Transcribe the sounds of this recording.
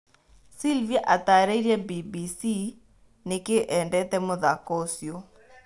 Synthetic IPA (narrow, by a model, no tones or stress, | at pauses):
silviaʔat̪aɾeiɾjabibisi | nekeʔɛndɛt̪ɛmoðakɔsjo